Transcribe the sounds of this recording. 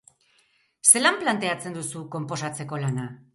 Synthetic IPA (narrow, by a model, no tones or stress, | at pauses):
se̞lamplant̪e̞at͡se̞nd̪usuko̞mpo̞sat͡se̞ko̞lana